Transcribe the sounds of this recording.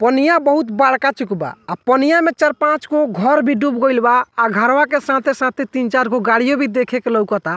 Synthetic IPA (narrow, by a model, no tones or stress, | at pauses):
pənijabəɦut̪baɽkat͡ʃukba̰ːpənijamet͡ʃəɾpãt͡ʃɡoɡʱɔɾbʱiɖubɡəjlbaːɡʱaɾwakesãt̪ʰesãt̪ʰet̪int͡ʃaɾɡoɡaɽijobʱid̪ekʰekeləwkɔt̪a